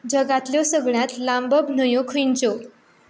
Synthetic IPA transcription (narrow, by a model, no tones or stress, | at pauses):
d͡ʑəɡat̪ljɔsəɡɭjãt̪lãmbəbʱnəjõkʰint͡so